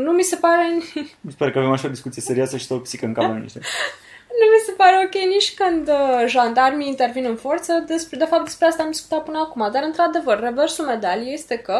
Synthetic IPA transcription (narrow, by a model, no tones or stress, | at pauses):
numise̞paɾe̞mispaɾkəavemaʃaod̪iskut̪sije̞se̞ɾioasəʃi̥t̪opsikəɨŋkamamnḭʃt̪e | numise̞paɾe̞o̞kʲe̞jniʃʲkɨnd̪ʒand̪armiint̪e̞rvinɨnfo̞rt̪səd̪espd̪e̞fap̚d̪espɾeast̪amd̪isku̥t̪at̪̚pɨnəakumad̪aɾɨnt̪ɾad̪e̞vərːe̞ve̞rsulme̞d̪alije̞st̪e̞kə